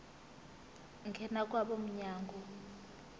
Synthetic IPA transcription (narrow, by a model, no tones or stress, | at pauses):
ŋɡʱɛnak̬ʼwaɓɔm̩ɲaːŋɡɔ